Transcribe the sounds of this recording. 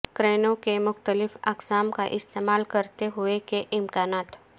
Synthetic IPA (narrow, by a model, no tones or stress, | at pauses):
kɾenõkemʊxt̪əlifə̰ksamka̰ʔist̪emalkəɾt̪eɦuekeʔimkanat̪